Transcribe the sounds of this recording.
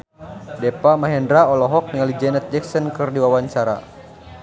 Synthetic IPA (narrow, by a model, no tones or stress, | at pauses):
dɛpamaɦɛndɾaɔlɔɦɔk̚niŋalid͡ʒɛnɛt̪̚d͡ʒɛksɔnkɨrdiwawaɲt͡ʃaɾa̰